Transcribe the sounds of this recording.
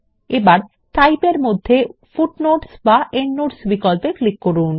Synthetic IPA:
ebaɾ | ʈajpeɾmod̪ʱːefuʈnoʈsbaʔenːoʈsbikɔlpeklikːoɾun

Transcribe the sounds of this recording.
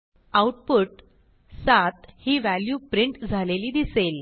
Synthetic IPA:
awʈ̚puʈ | sat̪hiːʋæljupɾiɳʈd͡zʱaleliːd̪isel

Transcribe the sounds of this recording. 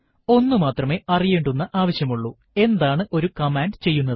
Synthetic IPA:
o̞nːumaːt̪rɐme̞ːʔɐrijeːɳɖunːɐʔaːʋɐɕjɐmuɭːu | e̞nd̪aːɳɨʔo̞ɾukɐmaːɳɖt͡ɕe̞jːunːɐðɨ

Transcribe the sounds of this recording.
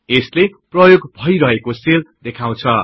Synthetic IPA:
esleprʌjoɡbʱʌjɾʌɦekoseld̪ekʰaw̃t͡sʰʌ

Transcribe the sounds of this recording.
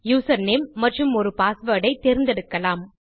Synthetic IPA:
juːsɐɾnemːɐʈrɯmɔɾɯpaːsʋɐːɽɐɪt̪ɛɾɪnd̪ɛɽɯkːɐlaːm

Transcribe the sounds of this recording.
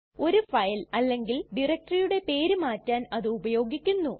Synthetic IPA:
o̞ɾufɐjlɐlːe̞ŋɡilɖirɐk̚ʈrijuɽe̞pe̞ːɾumaːtːaːnɐðɨːbɐjo̞ːɡikʲːunːu

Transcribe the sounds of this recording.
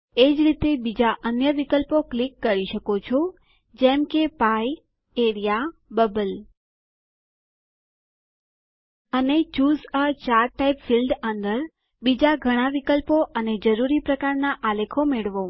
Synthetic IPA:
ed͡ʒɾit̪ebid͡ʒaʔənjəʋikəlpoklikːəɾiʃəkot͡ʃʰo | d͡ʒɛmkepai | eɾijabəbəl | ənet͡ʃuzət͡ʃaɾʈaipfilɖənd̪əɾ | bid͡ʒaɡʱəɽ̃aʋikəlpoʔəned͡ʒəɾuɾipɾəkaɾnaʔalekʰomeɭʋo

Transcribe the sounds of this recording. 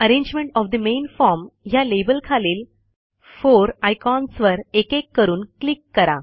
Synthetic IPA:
əɾẽɲd͡ʑmeɳʈɔfd̪əmenfɔɾmɦjalebəlkʰaleːl | foɾajkɔnsʋəɾekekːəɾuːnklikːəɾa

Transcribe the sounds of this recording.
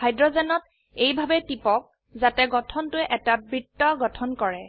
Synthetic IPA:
hajdɹɔzɛnɔt̚ | ejbʱabɛtipɔk̚ | zatɛɡɔtʰɔntʊɛʔɛtabɹitːɔɡɔtʰɔnkɔɹɛ

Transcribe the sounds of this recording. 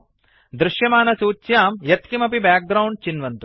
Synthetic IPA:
d̪ɾuʃjɐmaːnɐsuːt͡ʃjaːmjɐt̪kimɐpibaːk̚ɡɾɐwɳɖ̚t͡ʃinʋɐnt̪u

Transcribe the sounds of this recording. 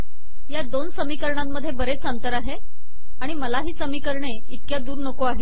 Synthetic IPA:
jad̪onsəmiːkəɾɳamːəd̪ʱːjebəɾet͡ssãnt̪əɾaɦe | aɽ̃iməlaɦiːsəmiːkəɾɳe | it̪̚kjad̪uːɾnəkoaɦe

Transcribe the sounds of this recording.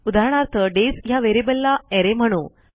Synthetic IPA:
ud̪ʱaɾɳ̃aɾt̪ʰəɖesjaʋeɾibəlːaeɾem̤əɽ̃ũː

